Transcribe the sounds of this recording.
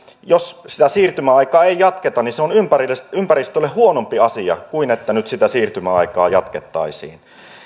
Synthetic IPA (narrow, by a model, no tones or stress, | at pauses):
jossit̪æsiːrt̪ymæɑikɑːeijjɑt̪ket̪ɑniseonympærilːeympærist̪ølːehuonompiɑsiɑ̰kuinet̪ːænyt̪sit̪æsiːrt̪ymæɑ̰ikɑ̰ːjɑt̪ket̪ːɑ̰isḭːn